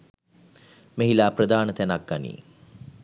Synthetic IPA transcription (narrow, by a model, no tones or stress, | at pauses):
meɦilaːprəd̪aːnət̪ænak̚ɡanḭː